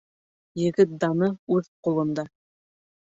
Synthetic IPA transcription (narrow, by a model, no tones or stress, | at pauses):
jɘ̆ɡɘt̪̚d̪ɑnɤʉðqulˠɤ̆nd̪ɑ